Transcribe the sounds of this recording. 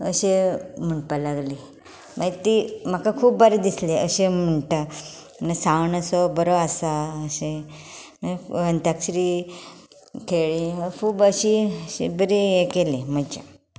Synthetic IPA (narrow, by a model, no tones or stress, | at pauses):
əɕem̤əɳpalaɡle | mat̪im̤akakʰuːbːəɾed̪isleəɕem̤əɳʈa | nasaʋɳəsɔbəɾoasaəɕenaɦənt̪aksɾi | kʰeɭikʰuːbəɕiəḛbəɾiekelem̤əd͡ʑḛ